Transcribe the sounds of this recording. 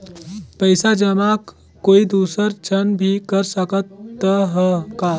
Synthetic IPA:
pɐɪsad͡ʒəmaːkː | oːid̪uːsəɾt͡ʃʰɐnbʱikɐɾsəkət̪ːəɦkaː

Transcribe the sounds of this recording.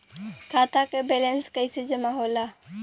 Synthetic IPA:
kʰaːt̪akebelənskəɪsed͡ʒəmaɦoːla

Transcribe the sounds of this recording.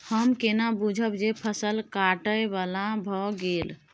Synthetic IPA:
həmkenabud͡ʒʱəbd͡ʒepʰəsəlkaʈəjbalabʱɔɡel

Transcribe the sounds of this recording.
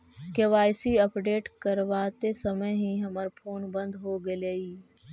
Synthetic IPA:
keʋaːɪsiɐpɖeːʈkɐɾʋaːt̪esɐməjɦĩːɦɐməɾpʰoːnbɐ̃nd̪ɦoːɡɐleiː

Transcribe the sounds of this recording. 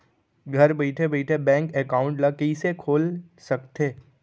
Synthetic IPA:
ɡʱɐɾbeɪʈʰebeɪʈʰebɛ̃ːŋkɛkaːʊ̃ɳʈlakeisekʰoːlsɐkt̪eː

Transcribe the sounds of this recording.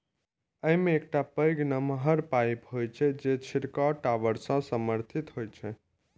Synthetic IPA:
əimẽːk̚ʈapəjɡnəməɦəɾpajpɦojt͡ʃʰɛd͡ʒet͡ʃʰiɾkaʈaʋəɾsãsəməɾt̪ʰit̪ɦojt͡ʃʰɛ

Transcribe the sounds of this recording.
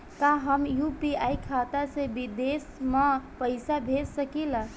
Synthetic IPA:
kaɦəmjupiajkʰat̪asẽbid̪esmapəɪsabʱetsəkila

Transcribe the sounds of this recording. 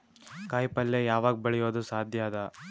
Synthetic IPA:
kaːjpɐlːejaːʋaːɡbɐɭɛjoːd̪usaːd̪ʱjaːd̪ɐ

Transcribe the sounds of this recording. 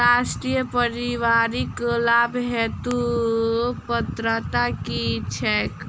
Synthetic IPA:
aːʃʈɾijəpəɾiʋaːɾiklaːbɦɛːt̪u | pət̪ɾət̪akit͡ʃʰɛːk

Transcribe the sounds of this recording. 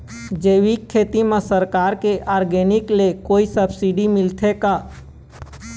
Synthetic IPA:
d͡ʒeːʋikʰːeːt̪imẽsəɾkaːɾkeʔaːɾɡeːnɪklekoːisəbsiɖimɪlt̪ʰekaː

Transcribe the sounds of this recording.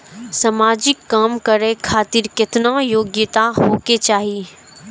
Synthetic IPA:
sɐmaːd͡ʒɪkːaːmkəɾekʰaːt̪ɪɾkɪt̪najoːɡjɪt̪aɦoːket͡ʃaːɦi

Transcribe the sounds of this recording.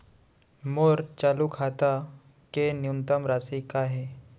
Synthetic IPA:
moɾt͡ɕalukʰat̪a | kenjunt̪əmɾasikaɦe

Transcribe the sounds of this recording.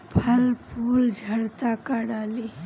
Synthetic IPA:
pʰɐlpʰuːld͡ʒʱəɽt̪akəɽaːli

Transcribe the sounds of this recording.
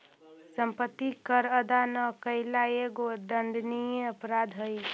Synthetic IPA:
səmpət̪ːikəɾəd̪anəkəɪlaeɡod̪əɳɖnijəpɾad̪ɦoj

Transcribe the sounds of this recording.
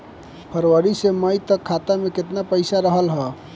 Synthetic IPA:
pʰəɾʋəɾiseməjt̪əkʰːat̪ameket̪napəɪsaɾəɦəlɦə

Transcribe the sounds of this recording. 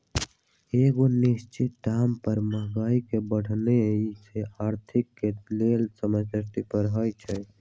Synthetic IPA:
eɡonist͡ʃit̪̚ɖampəɾməɦɡaikebəɽ̤ʱneit͡ʃʰeaɾt̪ʰikːelelsəməsəsʈ̪ipəɾɦəjt͡ʃʰɛ

